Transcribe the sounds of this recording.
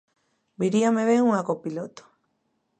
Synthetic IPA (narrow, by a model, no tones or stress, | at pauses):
biɾiameβeŋũakopilot̪o̥